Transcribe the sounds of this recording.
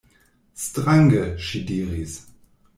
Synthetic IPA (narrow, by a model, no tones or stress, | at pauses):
stʁaŋɡəʃidiːʁis